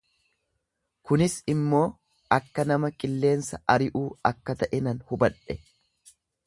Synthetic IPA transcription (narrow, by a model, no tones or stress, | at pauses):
kʊnɪsɪmːo̞ː | ɐkːɐnɐmɐkʼɪlːe̞ːnsɐɐɾɪʔuːɐkːɐt̪ɐʔɛnɐnhʊbɐᶑɛ